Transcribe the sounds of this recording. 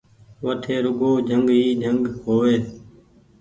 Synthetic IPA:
ʋəʈʰeːɾʊɡoːd͡ʒʱəŋɡɦiːd͡ʒʱəŋɡkoːʋeː

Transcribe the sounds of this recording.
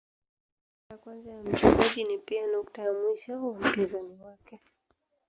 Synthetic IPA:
jakwanzajam̩t͡ʃuŋaʄinipianɔktajamwiʃaum̩pizaniwakɛ

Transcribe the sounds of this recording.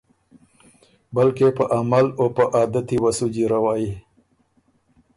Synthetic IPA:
balkepəʔamalopəʔɑːd̪at̪iwasud͡ʒiɾawɑːi

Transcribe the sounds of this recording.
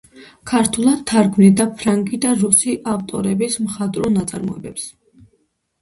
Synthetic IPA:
kʰaɾt̪ʰulˠad̪̚t̪ʰːaɾɡmnid̪apʰɾaŋɡid̪aɾusiʔaft̪ʼɔ̰ɾɛbismχad̪ʼɾɔnat̪sʼa̰ɾmɔɛ̰bɛps

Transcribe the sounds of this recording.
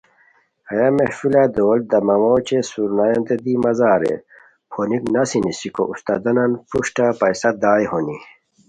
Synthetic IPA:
ɐjamefilad̪oːl̚d̪ɐmɐmoːt͡ɕesuɾnajɐ̃nd̪ed̪imɐzaːɾḛ | pʰoːniknɐsinisiko̰ʔust̪a̰d̪ɐnɐnpuʂʈapɐjsɐd̪aːjhoni

